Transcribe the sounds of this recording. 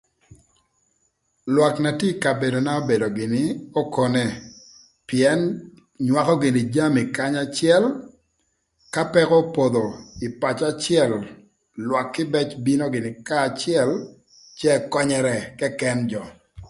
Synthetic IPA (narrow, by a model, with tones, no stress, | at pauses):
lwa˨kna˨ti˦ka˨be˨do˨na˦o˦be˨do˨ɡɪ˨nɪ˦o˦ko˦nɛ˦ | pi˨ɛ˨˦n | ɲwa˨kɔ˦ɡɪ˨nɪ˨d͡ʒa˦mi˨ka˦ɲa˦t͡ʃɪɛ˦l | ka˦pɛ˦kɔ˦po˨d̪o˨ɪ˨pa˨t͡ʃa˦t͡ʃɪɛ˦lː | wa˨kːɪ˦bɛ˦t͡ʃbi˦no˦ɡɪ˨nɪ˨ka˦˨t͡ʃɪɛ˦l | t͡ʃɛ˦˨kɔ˦ɲɛɾɛ˦kɛ˦kɛnd͡ʒɔ˨